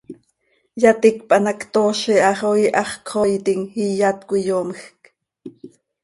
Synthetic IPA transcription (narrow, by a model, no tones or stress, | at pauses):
jat̪ik̚pʼɑnakt̪oːʃiʔɑχojʔɑχkʰχojt̪iŋhijat̪kʷijomxk